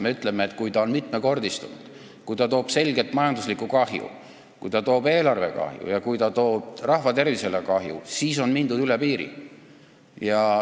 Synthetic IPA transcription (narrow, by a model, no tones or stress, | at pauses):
me̞yt̪ˑle̞meeːt̪̚kujt̪ɑo̞nmit̪meko̞rd̪ist̪unṵd̪̥ | kujt̪ɑt̪o̞ːb̥se̞lɡe̞t̪ːˑmɑjɑnd̪uslikːˑukɑhjṵ | kujt̪ɑt̪o̞ːbe̞ːlɑrve̞̰kɑ̰hjṵjɑkujt̪ɑt̪o̞ːb̥̚rɑhvɑt̪e̞rvise̞lekɑɦjṵsiːso̞nmind̪ud̪ylepiːɾḭ | jɑ